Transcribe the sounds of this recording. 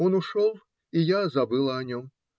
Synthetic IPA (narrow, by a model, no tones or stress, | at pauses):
onuʂɔlˠ | ijazɐbɨlˠɐːnʲɔm